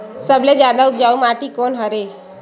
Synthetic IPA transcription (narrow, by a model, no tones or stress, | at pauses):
səbled͡ʒjaːd̪aʊp̚d͡ʒaːumaːʈikoːnɦəɾe